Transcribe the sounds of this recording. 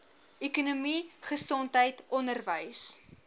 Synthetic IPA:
ɛkunumiχəsɔntɦəjtɔndərvəjs

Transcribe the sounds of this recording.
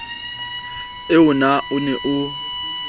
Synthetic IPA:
eunaunɛʔu

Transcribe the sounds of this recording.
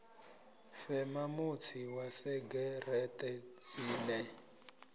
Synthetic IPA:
fɛmamut͡sʰiwasɛɡɛrɛtɛt͡siːnɛ

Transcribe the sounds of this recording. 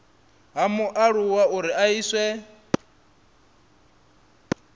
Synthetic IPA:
ɦamuʔaɺuwauɾiʔaiːswɛ

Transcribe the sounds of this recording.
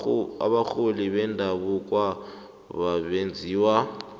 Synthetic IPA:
a̰βak͡xʰoliβɛndʱaβukʼwa | βaβend͡zʱiːwa

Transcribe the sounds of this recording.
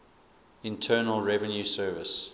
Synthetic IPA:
ɪ̃ntʰɜːnəlˠɹɛvə̃njusɜːvəs

